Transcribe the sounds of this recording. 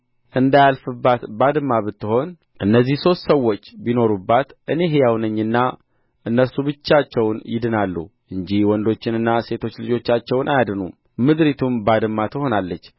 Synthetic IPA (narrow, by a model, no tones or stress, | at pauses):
ʔɨnd̪ajalfɨbːat̪bad̪ɨmːaβɨt̪ːɨho̞n | ʔɨnːəzːihso̞st̪səwːo̞t͡ʃːbino̞ɾubːat̪ʔɨne̞ɦejawnəɲːɨnːa | ʔɨnːəsubɨt͡ʃːat͡ʃːɛwnjɪd̪ɨnalːṵʔɨɲd͡ʒihwɔnd̪o̞t͡ʃːɪnɨnːase̞t̪ʰo̞t͡ʃːlɨd͡ʒo̞t͡ʃːat͡ʃːɛwnʔajad̪ɨnṵm | mɨd̪ɾit̪ʰumbad̪ɨmːat̪ʰəho̞nalːət͡ʃː